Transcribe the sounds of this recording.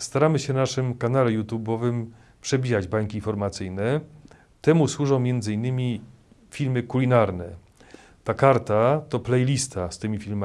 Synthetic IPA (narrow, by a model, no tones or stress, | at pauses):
st̪aɾamɘɕɛnaʂɘmkanalɛjut̪jubɔvɘm | pʂɛbʲijad͡ʑbaŋkʲiːnfɔɾmat̪sɘjnɛ | t̪ɛmuswuʐɔ̃w̃mʲjɛnd̪zɘinːɘmʲi | fʲilmɘkulʲinaɾnɛ | t̪akaɾt̪at̪ɔplɛjlʲist̪ʰast̪ɘmʲifʲilma